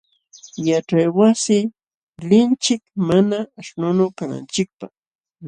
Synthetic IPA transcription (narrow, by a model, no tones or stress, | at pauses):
jaʈ͡ʂajwasɪ | lɪnt͡ʃɪkmanaːʃnʊnʊkana̰nt͡ʃɪk̚pa̰χ